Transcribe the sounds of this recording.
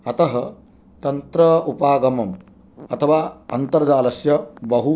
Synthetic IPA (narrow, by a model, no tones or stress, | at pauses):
ɐt̪ɐɦɐ | t̪ɐnt̪ɾɐupaːɡɐmɐm | ɐt̪ʰɐʋaːɐnt̪ɐɾd͡ʒaːlɐsjɐbɐɦu